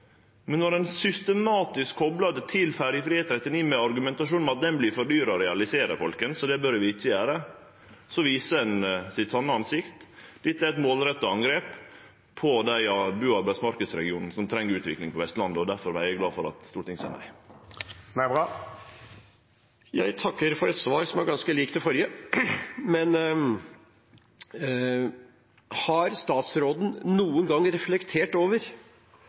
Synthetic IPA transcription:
mɛnːɔɾɛnsʏst̪əmɑːt̪ɪskʰːɔblɑd̪ət̪ʰɪlfæːɾjəfɾiːeːt̪ɾɛt̪ːɪniːmɛɑɾɡʉmɛnt̪ɑʂuːn̩ɑt̪̚d̪ɛnblɪfɔɖyːɾɑɔɾɛɑlɪseːɾəɾfɔlkənsɔd̪ɛbœɾʋɪɪtːəjæːɾə | sɔʋiːsədɛnsɪt̪sɔnːəɑnsɪkt̪d̪̥ɪt̪ːæɾɛt̪moːlɾɛt̪ːəɑŋɡɾeːp | pʰɔd̪æɪɑbʉːɑɾbæɪsmɑɾkəd̪sɾɛɡɪuːnn̩sɔmt̪ʰɾɛŋːəɾʉːt̪ʰʋɪklɪŋpʰɔʋɛst̪lɑnd̪əɔd̪æɾfɔɾʋææɡlɑːfɔɾɑ̰t̪st̪uːʈ̪ʰɪŋsæɪnæ̰ɪ | nɑ | jæɪt̪ʰɑkːəɾfɔɾɛt̪sʋɑːɾsɔmæɾɡɑnskəliːkt̪ʰɪfɔɾjə | mɛn | hɑɾst̪ɑːt̪sɾoːd̪n̩nuːənɡɑŋɾɛflɛkt̪ʰeːʈoːʋəɾ

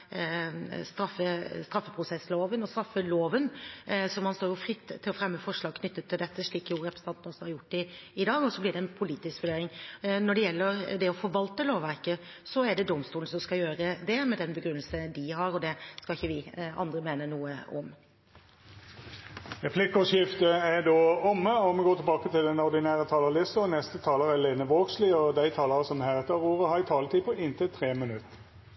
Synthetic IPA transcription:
st̪ɾɑfːəst̪ɾɑfːəpʰɾʊsɛsloːʋənɔst̪ɾɑfːəloːʋənsɔmhɑnst̪oːɾjʊfɾɪt̪ʰːɪlɔfɾɛmːəfɔʂɭɑːɡ̚kʰnʏt̪ːət̪ʰːɪld̪ɛt̪ːəʂɭiːkjʊɾɛpʰɾəsn̩ɑnt̪nɔsɔhɑɾjʊʈːɪɪd̪ɑːɡɔsɔblɪɖɛɛnpʰʊliːt̪ɪskʋʉɖeːɾɪŋnɔɖɛjɛlːəɾd̪ɛɔfɔɾʋɑlt̪əloːʋʋæɾkə | sɔæɖɛd̪ɔmst̪uːln̩sɔmskɑjøːɾəd̪ɛmɛd̪ɛnbəɡɾʉnːəlsəd̪ɪhɑɾɔd̪ɛskɑɪçːəʋɪɑ̰nd̪ɾəmeːnənuːəʔɔ̰m | ʁɛpʰlɪkːɔʂjɪft̪əɛɖ̪oːɔmːəɔmɛɡoːt̪ʰɪlbɑːkət̪ʰɪld̪ɛnɔɾd̪ɪnæːɾət̪ʰɑːləlɪsɔnɛst̪ət̪ʰɑːləʁɛleːnəʋoːɡslɪɔd̪æɪt̪ʰɑːləʁəsɔmhæʁɛt̪ːəɾuːɾəhɑɪt̪ʰɑːlət̪ʰiːpʰɔɪnt̪ʰɪt̪ʰɾeːmənʉt̪ː

